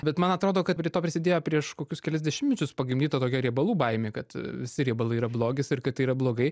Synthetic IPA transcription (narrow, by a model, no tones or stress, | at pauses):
bʲɛt̪mɐnɐt̪ɾoːd̪oːkɐt̪pʲɾʲiɛt̪oːpʲɾʲɪsʲɪd̪ʲeːjoːpʲɾʲiɛʃkoːkʲʊskʲɛlʲɛzʲd̪ʲɛʃʲɪmʲmʲɛt͡ʃʲʊspɐɡʲɪmʲd̪ʲiːt̪ɐːt̪oːkʲɛɾʲiɛbɐlˠuːbɐɪmʲeːkɐt̪ʋʲɪsʲɪɾʲiɛbɐlˠɐɪiːɾɐblˠoːɡʲɪsɪɾkɐt̪iːɾɐblˠoːɡɐɪ